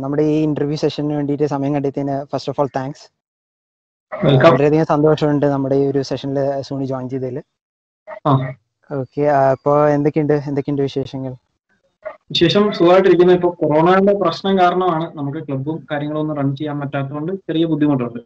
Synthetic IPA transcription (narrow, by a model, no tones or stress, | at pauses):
nɐmːuɽe̞iːiɳɖɐrʋjuːseʂɐninɨʋe̞ːɳɖijʈːɨsɐmɐjɐmkɐɳɖit̪ːinɨfɐstofoːlt̪ʰaːŋks | ʋelkɐmɾeɐðiŋːɐsɐnd̪o̞ːʂɐmuɳɖɨnɐmːuɽe̞ioɾuse̞ʂɐnilsuːɳid͡ʑo̞ːjnt͡ɕejt̪ːɐilː | aː | o̞ːkːeipːoːe̞nd̪ekʲːiɳɖɨend̪okːiuɳɖɨʋiɕe̞ːʂɐŋɡɐɭ | ʋiɕe̞ːʂɐmsuaːjʈːɨɾikʲːunːɐːlipːo̞ːkoɾoːɳaːjɳɖeprɐɕnɐmkaːɾɐɳɐmaːɳɨnɐmuk̬ːɨkɭɐbːumkaːɾjɐŋːɐɭo̞nːumrɐɳɖit͡ɕːejːaːnmɐtːaːt̪ːɐðuɳɖɨt͡ɕerijɐbud̪ʱːimɐɳʈːɐuɳɖɨ